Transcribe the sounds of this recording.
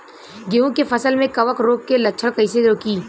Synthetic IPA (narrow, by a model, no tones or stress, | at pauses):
ɡeũkefɐsəlmẽkɐʋəkɾoːkːelɐʃʰəɽkɐɪseɾoːkiː